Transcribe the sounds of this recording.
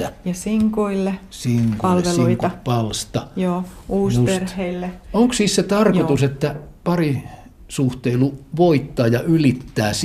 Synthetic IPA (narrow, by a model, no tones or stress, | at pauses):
æjɑsiŋkuilːesiŋkuɑlʋesluiiŋikt̪ɑpɑlst̪ɑjoːuːsupsetrheilːeoŋksisset̪ɑrkot̪uset̪ːæpɑri | suht̪eiluʋoit̪ːɑːjɑʔylit̪ːæːs